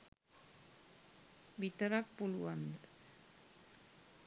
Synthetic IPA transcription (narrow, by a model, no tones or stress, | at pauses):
bit̪əɾak̚puluand̪